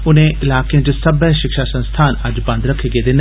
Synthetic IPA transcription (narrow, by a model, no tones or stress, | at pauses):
ʊnẽʔɪlaːkjə̃d͡ʑesɐbəʃɪkʃasɐ̃nst̪ʰaːnɐd͡ʑbɐ̃nd̪ɾɐkʰeɡed̪ɪn